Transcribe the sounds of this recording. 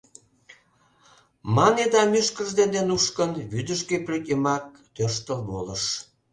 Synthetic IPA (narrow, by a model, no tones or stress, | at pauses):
mɑned̪ɑmyʃkəʒd̪enenuʃkənβyd̪əʃkeplekʲemɑk̚t̪ørʃt̪əlβoləʃ